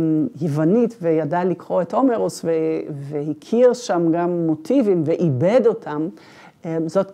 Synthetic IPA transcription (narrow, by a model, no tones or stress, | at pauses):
jevanitvejadalikʁoeto̞meʁosvevehikʰiʁʃamɡamːotʰivimveʔibedo̞tʰam | ezo̞t